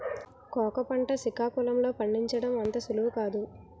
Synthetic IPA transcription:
kɔːkɐpɐɳʈɐsikaːkulɐmlo̞ːpɐɳːiɲt͡ʃɐɽɐmʋɐnt̪ɐsuluʋukaːd̪u

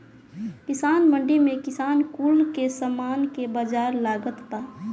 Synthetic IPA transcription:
kɪsaːnməɳɖimẽkɪsaːnkuːlkesəmaːnkebəd͡ʒaːɾlaːɡət̪paː

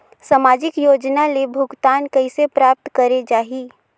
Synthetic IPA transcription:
samaːd͡ʒɪkjoːd͡ʒnalebʱʊɡt̪aːnkəɪsepɾaːp̚t̪kəɾed͡ʒaːɦiː

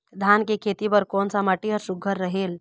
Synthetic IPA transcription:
d̪ʱankekʰet̪ipəɾkɔːnsaməʈiɔɾsuɡʱːəɾːəɦeːl

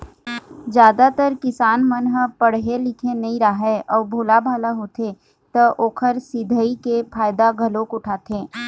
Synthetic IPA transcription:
d͡ʒjaːd̪at̪əɾkɪsaːnmənɦəpəɽ̤ɦelɪkʰẽnɐĩɾaɦɛʔɔːɾbʱoːlabʱaːlaɦoːt̪ʰe | t̪əʔoːkʰəɾsɪd̪ʱəikepʰaːjd̪aɡʱəloːkʊʈʰaːt̪ʰẽː

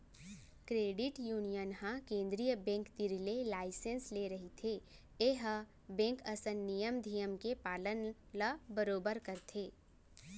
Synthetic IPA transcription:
kɾeːɖɪʈjuːnijənɦãkẽːnd̪ɾijəbɛ̃ːŋkt̪iɾlelaːɪsẽnsleɾɐɦit̪ʰe | eɦə | bɛ̃ːŋkəsənːijəmd̪ʱijəmkepaːlən | labəɾoːbəɾkəɾt̪ʰeː

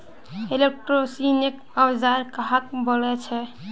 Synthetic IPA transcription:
elek̚ʈɾosinek | əwd͡ʒaɾkaɦak̚bɔlɛt͡ʃʰɛ

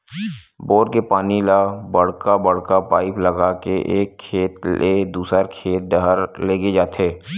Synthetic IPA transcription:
boːɾkepaːnilabəɽ̤kabəɽ̤kapaːɪpləɡakeʔeːkʰːeːt̪led̪uːsəɾkʰeːt̪̚ɖəɦəɾleːɡed͡ʒaːt̪eː

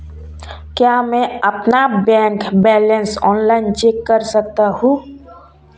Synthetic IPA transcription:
kjamɛ̃əpnabɛ̃ːŋkbɛːlənsɔːnlaːɪnt͡ʃeːkːəɾsək̚t̪aɦũː

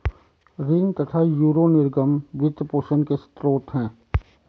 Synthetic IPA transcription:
ɾɪ̃ŋɡt̪ɐt̪ʰajuːɾonɪɾɡəmʋɪt̪poːʃənkest̪ɾoːt̪ɦɛ̃ː

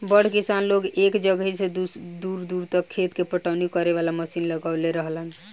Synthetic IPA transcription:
bəɽ̤kisanloɡekd͡ʒəɡɦised̪ud̪uɾd̪uɾt̪əkkʰːet̪kepəʈawnikəɾeβalaməsinləɡaleɾəɦlən

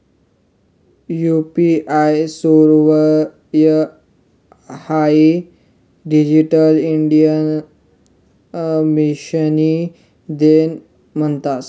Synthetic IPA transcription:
jupiʔajsuɾʋə | jə | hai | ɖid͡ʑiʈəliɳɖijən | miɕəni | d̪en | m̤əɳt̪at̪

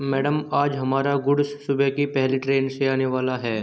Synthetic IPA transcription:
mɛːɖəmaːd͡ʒɦɐmaːɾaɡʊɽsːʊbɛkipɛɦliʈɾeːnseaːneʋaːlaɦɛː

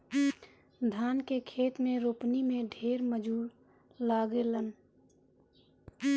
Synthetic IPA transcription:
d̪ʱaːnkekʰeːt̪mẽɾoːpnimẽɖʱeːɾməd͡ʒuːɾ | laːɡelən

